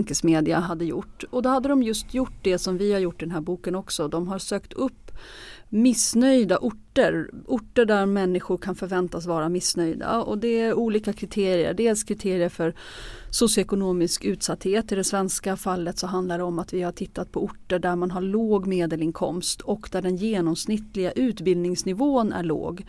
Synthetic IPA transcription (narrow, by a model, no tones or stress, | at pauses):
ŋkəsmeːd̪ɪaɦad̪ːəjʊ̰ʈːɔd̪ɔhad̪ːəd̪ɔmjɵst̪ʰjʊʈːd̪ɛsɔmvɪhaɾjʊʈːɪd̪ɛnɦæːɾbuːkənɔksɔd̪ɔmɦaɾsøːkt̪ʰɵpːmɪsnœjd̪aʔʊʈːəɾʊʈːəɖæɾmɛnːɪɧʊɾkʰanfœɾvɛnt̪asvɑːɾamɪsnœjd̪a̰ɔ̰d̪ɛæɾuːliːkakʰɾɪt̪ʰeːɾɪə̰ɖeːlskʰɾɪt̪ʰeːɾɪəɾfœɾ | sʊsjʊɛkʊnoːmɪskʉ̟ːt̪sat̪heːt̪ɪd̪ɛsvɛnskafalːət̪sɔɦand̪lad̪ɛɔmat̪vɪhaʈʰɪt̪ʰːat̪̚pʰɔʊʈːəɖæɾmanɦaɾɭoːɡmeːd̪əlɪŋkʰɔ̰mst̪ʰɔkd̪æɖɛnjeːnɔmsnɪt̪ːlɪɡaʔʉ̟ːt̪bɪld̪nɪŋsnɪvoːənæ̰ɭo̰ːɡ